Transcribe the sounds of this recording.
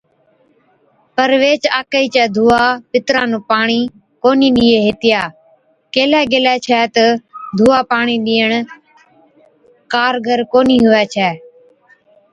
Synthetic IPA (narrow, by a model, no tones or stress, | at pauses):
pəɾʋeːt͡ʃaːkəiːt͡ʃɛːd̪ʱuːaːpɪt̪ɾãːnũːpaːɳiː | koːnĩːɗiːeːɦɪt̪ɪjaː | keːlɛːɡeːlɛːt͡ʃʰɛːt̪əd̪ʱuːaːpaːɳiːɗiːəɳ | kaːɾɡʱəɾkoːniːɦʊʋɛːt͡ʃʰɛː